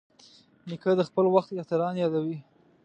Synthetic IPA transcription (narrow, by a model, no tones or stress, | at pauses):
nikəd̪əxpəlwaxt̪jɑt̪aɾɑnjɑd̪awi